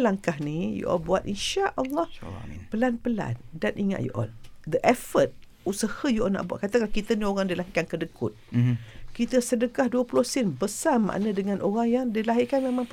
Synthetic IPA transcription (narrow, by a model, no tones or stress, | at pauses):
laŋkaɦnijṵʔɔ̰lbuat̪̚ʔinʃaʔʔɑlˤːɑhpəlanpəla̰ndanʔiŋa̰ʔ̪̚jṵʔɔ̰ldəʔɛfət̪̚ | usəhajuʔɔna̰ʔbua̰ʔ̪̚kat̪akalahkit̪anioɾaŋdilaɦikankədəkʊt̪̚ | kit̪əsədəkahduəpulɔhsinbəsama̰ʔnadəŋãnʔoɣaŋjaŋdilaɦikanmemãm